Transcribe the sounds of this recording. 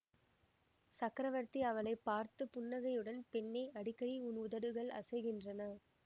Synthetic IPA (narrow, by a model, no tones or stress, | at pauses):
sɐkːɾɐʋɐɾt̪iɐʋɐlɐɪpːaːɾt̪ɯpʊnːɐɣɐjɯɽɐnpɛnːeɪʔɐɽɪkːɐɽiʊnʊðɐɽɯɣɐɭɐ̰sɐɪɣɪndrɐnɐ